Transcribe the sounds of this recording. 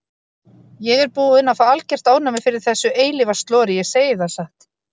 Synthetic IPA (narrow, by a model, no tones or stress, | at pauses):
jɛɣɛɾpuːðɪnafaalcɛr̥t̪aːwnamɛ̥fɪɾɪɾ̥θɛsːʏʔeːjlɪvast̪lɔːɾɪjɛɣseːjɪθaðsaht̪